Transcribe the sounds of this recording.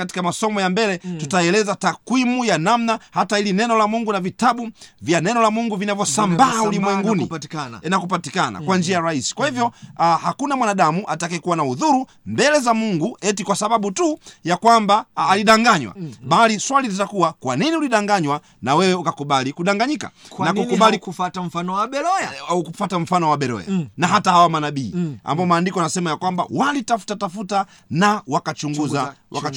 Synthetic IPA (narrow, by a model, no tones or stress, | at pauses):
kati̥kamasɔmɔjambɛlɛtutaɛlɛzatakwimujanamnahatailinɛnɔlamuŋɡunavitaɓuvjanɛnɔlamuŋɡuvinavjɔsambaulimwɛŋɡuniɛnakupatikana̰kwand͡ʒiajɾahisi̥kwahivjɔhakunamwanaɗamuʔatakɛkuwanauðuɾu | mbɛlɛzamuŋɡuɛtikwasaɓaɓutujakwambaːliɗaŋɡaɲwa̰ɓaliswalilitakuwakwaniniuliɗaŋɡaɲwa | nawɛwɛukakuɓalikuɗaŋɡaɲika̰nakukuɓalifatam̩fanɔwaɛɔukufatam̩fanɔwaɓɛɾɔ̰ja̰naɦatahawamanaɓiːa̰mbaɔmaːndikɔanasɛmajakwamba̰walitafu̥tatafuta | nawakat͡ʃuŋɡuzawa̰ka